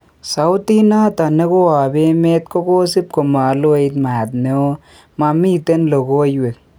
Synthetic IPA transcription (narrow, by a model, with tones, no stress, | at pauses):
sa˨wʊ˦t̪i˦na˦t̪a˨ne˦ko˦a˨be˦me˦t̪̚ko˦ko˦si˦p̚ko˨ma˨lo˦e˨i˦t̪maː˨t̪ne˦o˦ | ma˨mi˦t̪e˦nlo˨ko˦jwe˨k̚